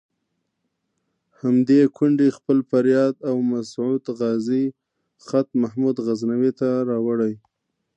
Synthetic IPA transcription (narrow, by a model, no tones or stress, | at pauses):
hamd̪ekʰʊɳɖixpəlfaɾjɑd̪awmasʕud̪ɣɑzi | xat̪̚mahmud̪ɣaznawet̪aɾɑwaɽaj